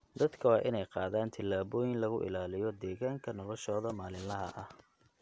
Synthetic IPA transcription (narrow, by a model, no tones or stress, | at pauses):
d̪ɐd̪kʰɐwɑːʔɪnɛjqɑːðaːnt̪ʰɪlːaːβɔːjɪnlɐɣʊʔɪ̰laːlɪjɔd̪ɛːɣaːŋkʰɐnɔlɔʃɔːðɐmaːlɪlɐɦɐʔɐh